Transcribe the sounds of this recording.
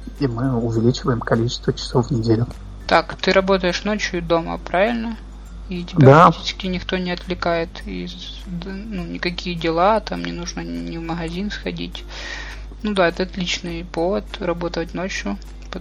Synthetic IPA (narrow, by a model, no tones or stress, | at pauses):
imɨʊvʲɪlʲit͡ɕɪvəjɪmkɐlʲit͡ɕɪst̪vət͡ɕɪ̥sofvnʲɪdʲelʲʊ | t̪akt̪ɨɾʔɐbo̞t̪əjɪʂno̞t͡ɕjʊd̪o̞mə̰pɾavʲɪlʲnə | itʲɪbʲdaaɐtʲit͡ɕɪ̥skʲɪnʲɪxt̪o̞nʲɪɐt̪vlʲɪkajɪt̪ḭz | nunʲɪkɐkʲijədʲɪlˠat̪amnʲɪnuʐnənʲɪvməɣɐzʲinsxɐdʲḭtʲ | nud̪aɛt̪əɐt̪lʲit͡ɕnɨjpo̞vət̪rɐbo̞t̪əvətʲnot͡ɕjʊ | p